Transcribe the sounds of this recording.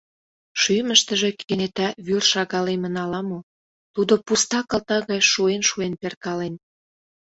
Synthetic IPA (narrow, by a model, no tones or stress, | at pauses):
ʃyməʃt̪ə̆ʒe̽kʰenet̪æβyrʃɑɣɑlemə̆nɑlɑmo | t̪ud̪opust̪ɑkɑlt̪ɑɣɑjʃuenʃuenperkɑlen